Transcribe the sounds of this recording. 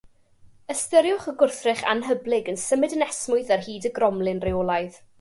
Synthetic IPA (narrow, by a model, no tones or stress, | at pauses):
əstəɾjʊχəɡʊrθrɪχa̰nɦəblˠɪɡənsəmɨdənɛsmʊɨðarhiːdəɡrɔmlˠɪnreɔlˠajð